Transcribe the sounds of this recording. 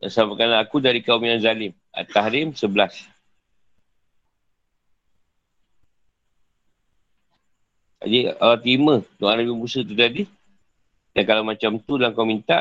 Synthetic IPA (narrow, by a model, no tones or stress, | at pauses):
samakanaakudaɾikaumjanzalɪm | a̰t̪aɦɾɪmsəbəlas | a̰d͡ʒiawat̪imət̪oʔanabibusət̪ut̪adi | dankalawmat͡ʃamt̪ulaŋkawmint̪a̰